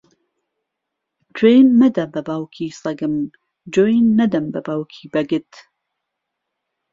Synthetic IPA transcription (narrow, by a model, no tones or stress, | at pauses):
tʰwejnːɐd̪ɐbɐbaːwkʰiːsɐɡɨm | d͡ʒojnːɐd̪ɐmbɐbaːwkʰiːbɐɡɨt̪